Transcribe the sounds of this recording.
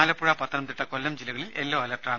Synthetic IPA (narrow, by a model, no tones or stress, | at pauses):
aːlɐpːuɻaːpɐt̪ʰːɐnɐmt̪iʈːɐkolːɐmd͡ʑilːɐɣɐɭilelːoːɐlɐʈraː